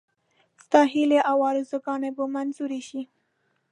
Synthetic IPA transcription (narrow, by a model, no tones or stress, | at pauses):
st̪ɑɦileʔawɑɾɪzoɡɑnebomanzuɾeʃi